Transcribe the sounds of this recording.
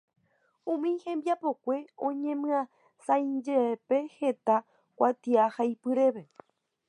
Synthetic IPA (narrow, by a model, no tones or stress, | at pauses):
ũmĩhẽ̞mbjapo̞kʷe̞õ̞ɲẽ̞mɨ̃ã | sãjd͡ʒepe̞he̞t̪a | kʷat̪iahajpɨɾe̞βe